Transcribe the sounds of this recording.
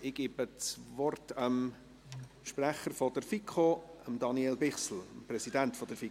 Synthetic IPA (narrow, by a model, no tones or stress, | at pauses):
ɪɡ̥iːbət͡svɔrtəm | ʃpræχəɾfɔd̥əɾfikʰoəmdɑniɛlbɪχsl̩mprɛsidæntfɔd̥əɾfi